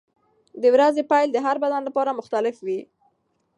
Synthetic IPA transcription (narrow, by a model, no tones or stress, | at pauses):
d̪əwɾazepajld̪əɦaɾbad̪anlapɑɾamʊxt̪alɪfwi